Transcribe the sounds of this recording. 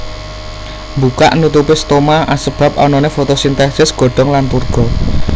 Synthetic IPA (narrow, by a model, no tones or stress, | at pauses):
mbuka̰ʔnut̪upest̪omaʔasəb̥a̤p̚ɔnɔnefot̪osint̪ɛsɪsɡ̥ɔ̤ɖ̥ɔ̤ŋlant̪urɡ̥ɔ̤